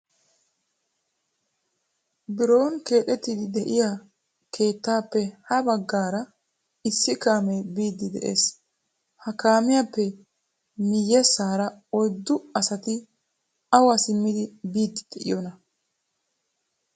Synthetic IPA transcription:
bɪɾo̞ːnke̞ːt̪ɛt̪ːɪd̪ɪd̪ɛʔɪja | kʰe̞ːt̪ːaːpːɛhɐbɐɡːaːɾɐ | ɪsːɪkaːmɛbiːd̪ːɪd̪ɛʔḛːs | hɐkaːmɪjapːɛ | mɪjːɛsːaːɾɐɔjd̪ːʊɐsɐt̪ɪ | ɐwɐsɪmːɪd̪ɪbiːd̪ːɪ̥d̪̥ɛʔɪ̰jɔnɐ

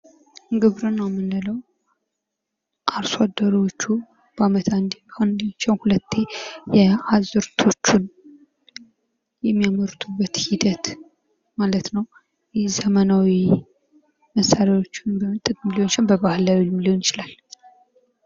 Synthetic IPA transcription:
ɡɨβɾunːawmːɨnːɨləw | ʔaɾsad̪ːəɾwot͡ʃːu | b̥amət̪ʰand̪eand̪t͡ʃːəwhulət̪ʰːe̞jɛazɨɾt̪ʰo̞t͡ʃːun | jɛmːijaməɾt̪ʰubːət̪hid̪ət̪ | malət̪nəw | jzəmənawi | məsaɾawo̞t͡ʃːɪnbəmɨt̪ʼːɨt̪ʼmiliot͡ʃːɪnbəβahɨlːawilmilionɪt͡ʃɪlal

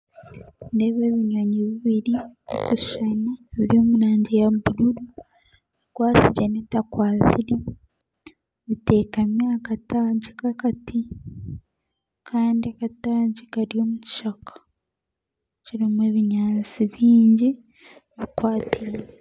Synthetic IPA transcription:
ndeβeːβiɲaɲiβiβiɾiko̰kuʃanaβiɾio̞munaːɲɟejabuɾuɾu | ikwaːsiɟanetakwaːziɾe | βite̞ːkamjaːkataːɲɟikakati | kʰaːndiakataːɲɟikaɾio̞ːmuci̥ʃakʰḁ | t͡ʃiɾimweːβiɲaːnt͡siβiːɲɟi | βikwaːtiɾe

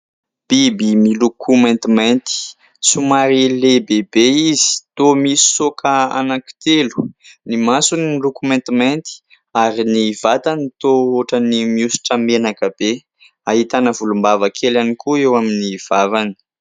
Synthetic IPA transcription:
b̥ibimilukʰumẽnt̪imant̪i̥ | sumaɾilebebeizi̥t̪omisi̥sokʰəa̰naki̥t̪elu̥nimasuninilukumẽnt̪iment̪i̥ | aɾinivat̪anit̪ooʈ͡ʂənimiusi̥ʈ͡ʂəmenakəb̥e | aɦit̪anəvulumbavakʰelanikuewaminiv̥avani̥

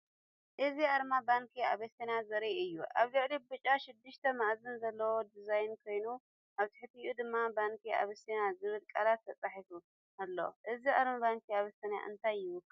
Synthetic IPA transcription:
ʔɨziʔaɾmabaŋkʰia̰βesenazɐɾiʔɨjːuʔa̰βlɨʕlibɨt͡ʃʼaʃɪd̪ːɨʃt̪ʰɐmaʔzɨnzɐlːɐwod̪izajnkʰo̞jnu | ʔaβt̪ʰɨ̥ħɨt̪ʰijʔud̪ɨmːabaŋkʰia̰βesenazɨβɨlkʼalat̪ʰːɐt͡sʼaħifu | ʔalːoʔɨziʔaɾmabaŋkʰiaβesɐnja̰ʔɨ̰nt̪ʰajːɪwʊkʼː

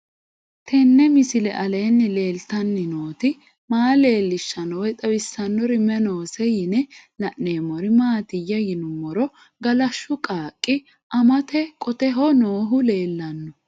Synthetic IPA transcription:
t̪ʰɛnːɛmɪsɪlɛʔɐleːnːɪle̞ːlt̪ɐnːɪnoːt̪ɪ | maːle̞ːlːɪʃːɐnɔwɛt̪ʼɐbɪsːɐnːɔɾɪmɛnoːsɛjɪnɛlɐʔneːmɔɾɪmaːt̪ɪjːɐjɪnʊmːɔɾɔ | ɡɐlɐʃːʊkʼaːkʼːɪ | ʔɐmɐt̪ɛkʼɔt̪ɛɦɔnoːɦʊle̞ːlːɐnːɔ

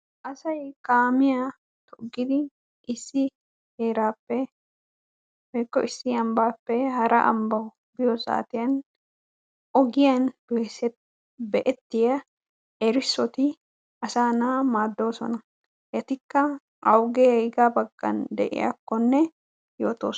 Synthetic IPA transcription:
ʔɐsɐjkaːmɪja | t̪ɔʔɡɪd̪ɪ | ʔɪsːɪ | heːɾaːpːɛ | ɛkːɔʔɪsːɪɐmbaːpːɛhɐɾɐ̰ʔɐ̰mbɐʊ | bɪjɔsa̰ːt̪ɪjɐn | ʔɔɡɪjɐn | bɛʔɛt̪ːɪjɐ | ɛɾɪsːɔt̪ɪ | ɐsaːnamaːd̪ːo̞ːsɔ̰nɐ | jɛt̪ɪkːɐ | ʔɐwɡeːɡaːbɐɡːɐ̰nd̪ɛ̰ʔɪ̰jɐ̰kːɔnːɛ | joːt̪o̰ːs

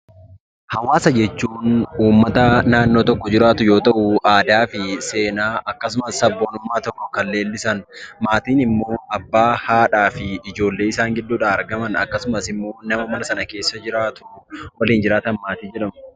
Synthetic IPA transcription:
hɐwaːsɐd͡ʒɛt͡ʃːuːnuːmːɐt̪ɐnaːnːo̞ːt̪ɔkːɔd͡ʒɪɾaːt̪ʊjoːt̪ɐʔʊʔaːd̪aːfɪse̞ːnaːʔɐkːɐsʊmɐsɐbːoːnʊmːaːt̪ɔkːɔkɐlːe̞ːlːɪsɐnmaːt̪iːnɪmːo̞ːɐbːaːhaːᶑaːfɪɪd͡ʒo̞ːlːeːɪsaːŋɡɪd̪ːuːᶑaɐɾɡɐmɐnɐ̰kːɐsʊmɐsɪmːo̞ːnɐmɐmɐnɐsɐnɐke̞ːsːɐd͡ʒɪɾaːt̪ʊ̥wɐliːnd͡ʒɪɾaːt̪ɐnmaːt̪iːd͡ʒɛᶑɐm

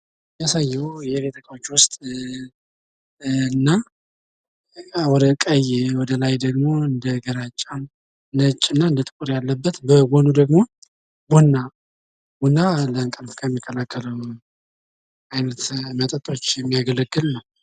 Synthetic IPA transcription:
jasajːɛwjɛbet̪ʰəkʼawt͡ʃːwʊst̪ʼ | ɨnːa | wɔd̪əkʼəjwɔd̪əlajd̪əɡmo̞ɨnd̪əɡəɾat͡ʃʼːan | nət͡ʃʼːɨnːaɨnd̪ət̪ʼɨkʼuɾjalːəbːət̪bəwonud̪əɡmo̞ | bunːa | bunːaləŋkʼəlfkʰajɛmːikʰːəlakʰːələw | ajnət̪mət̪ʼət̪ʼo̞t͡ʃːjɛmːijaɡələɡːɨlnəw

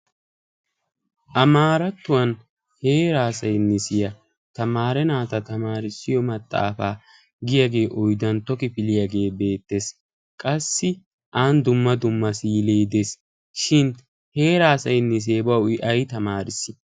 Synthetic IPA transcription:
ʔɐmaːɾɐt̪ːʊwɐn | he̞ːɾaːsɐjnːɛsɪjɐ | t̪ɐmaːɾɛnaːt̪ɐt̪ɐmaːɾɪsːɪjɔmɐt̪ʼːa̰ːfa̰ː | ɡɪjɐɡe̞ːʔɔjd̪ɐnt̪ɔkɪpɪlɪjaɡe̞ːbe̞ːt̪ːe̞ːs | kʼɐsːɪ | ʔaːnd̪ʊmːɐd̪ʊmːɐsiːleːd̪es | ʃɪn | he̞ːɾaːsɐjnːɪs̬e̞ːbɐwɪʔɐjt̪ɐmaːɾɪsːɪ̥

